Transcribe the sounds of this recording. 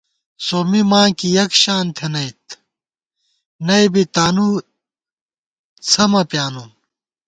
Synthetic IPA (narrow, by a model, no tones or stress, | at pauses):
soːmimãːkijɐkɕaːnt̪ʰenɐjt̪̚ | nɐjbit̪aːnu | t͡sʰɐmɐpjaːnu